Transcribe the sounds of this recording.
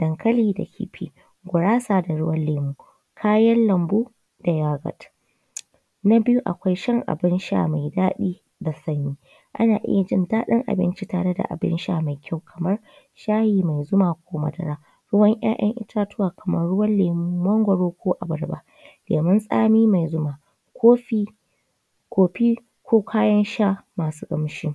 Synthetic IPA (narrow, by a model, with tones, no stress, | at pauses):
d̥ɐ˨ŋkʰɐ˦liː˦da̰˨kʰʲḭː˨ɸʰiː˦ | ɡʷʊ˨ɽaː˦saː˨da˨ɽʊ˦wɐ˦lːeː˨muː˦ | kʰaː˦jɐ˦nlɐ˨mbu˦ | da˨jaː˦ɡɐ̰˨t | na˦bɪ˦ju˦ʔa̰˨kʷa˦jʃɐ˦ŋʔa̰˨bɪ˦nʃa̰˨ma˨jdaː˦ɗiː˦ | da˨sɐ˦ɲjiː˦ | ʔa̰˦naː˨ʔɪ̰˦ja˨d͡ʒɪ˦ndaː˦ɗɐ˦ŋʔa̰˨bɪ̰˦nt͡ʃi˦taː˨ɽe˦da̰˨ʔa̰˨bɪ̰˦nʃa̰ː˦˨ma˨jkʲa˦˨wkʰɐ˨mɐ˦r | ʃaː˦jiː˨ma˨jzʊ˦maː˨kʷoː˦mɐ̰˨dɐ̰˦ɾaː˦ | ɽʊ˦wɐ˦ŋj̰a̰ː˦ʔɐ̰˦ŋʔɪ̰˦tʰaː˦tʊ˦waː˨kʰɐ˨mɐ˦rɽʊ˦wɐ˦nleː˨mː˦ɐ˦ŋɡʷɐ˨ɽoː˦kʷoː˦ʔa˨bɐ˨rba̰˦ | leː˨mɪ˦nsʼa̰ː˦miː˦ma˨jzʊ˦maː˨ | kʷʰoː˦ɸiː˦ | kʷoː˨ɸiː˦ | kʰʷoː˦kʷʰaː˦jɐ˦nʃaː˦maː˨suː˦kʼɐ˨mʃi˦